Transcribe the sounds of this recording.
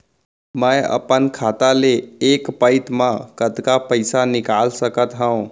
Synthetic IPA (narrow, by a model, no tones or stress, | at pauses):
məjə̰pənkʰat̪aleːkpəɪt̪mãkət̪kapəɪsanɪkalsəkət̪ɦə̃ũ